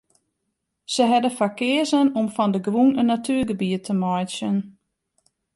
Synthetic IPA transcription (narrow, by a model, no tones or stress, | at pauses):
səɦɛdəfakɪəzənɔmfɔndəɡrunənːatʰyəɡəbiətʰəmɔjsjən